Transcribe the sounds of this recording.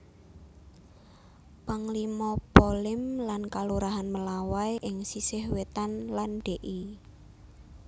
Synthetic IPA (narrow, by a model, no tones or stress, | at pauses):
paŋlimɔpolɪmlankaluɾaɦanməlawajʔɪŋsisɪhwet̪anlanɖ̥eʔi